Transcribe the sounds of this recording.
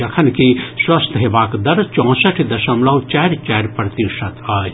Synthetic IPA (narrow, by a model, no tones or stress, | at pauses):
ɐkʰɐnkiswɐst̪ʰɦeʋaːkd̪ɐɾt͡ʃɔ̃ːsɐʈʰd̪ɐʃɐmlɐʋt͡ʃɛːɾʲt͡ʃɛːɾʲpɾɐt̪iʃɐt̪ʰaːd͡ʒ